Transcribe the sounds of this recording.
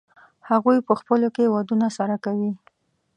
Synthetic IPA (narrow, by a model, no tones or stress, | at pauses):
haɣujpəxpəlokewad̪unasaɾakawi